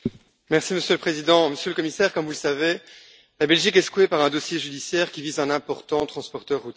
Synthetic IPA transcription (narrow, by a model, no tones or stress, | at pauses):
mɛʁsiməsjøləpχezid̪ɑ̃məsjøləkɔmisɛʁkɔmvuləsave | labɛlʒikɛskwepaʁɛ̃d̪ɔsjeʒyd̪isjɛːʁkʲivizɛ̃nɛ̃pɔʁt̪ɑ̃t̪χɑ̃spɔʁt̪œʁut̪